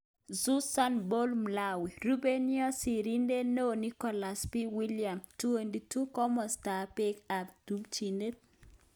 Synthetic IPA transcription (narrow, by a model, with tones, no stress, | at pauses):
zu˦sa˦nbo˦lmla˦wi˨ɾu˦be˦niɔ˦si˨ɾi˦nde˦no˦ni˦kɔ˨la˨spi˦wi˦lija˨mtu˦e˨ndi˨tu˦kɔ˦mɔ˨sta˨pɪ˦ka˨b̚du˦mt͡ʃi˨nde˦t̚